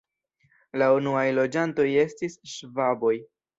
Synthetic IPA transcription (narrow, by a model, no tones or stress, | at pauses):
launuajlo̞d͡ʒanto̞je̞stisʃvabo̞j